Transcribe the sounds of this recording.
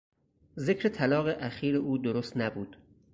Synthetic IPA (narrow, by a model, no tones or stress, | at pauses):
zekʰɾet̪ʰælɒːɣeʔæxiːɾeʔuːd̪oɾost̪næbuːd̪̥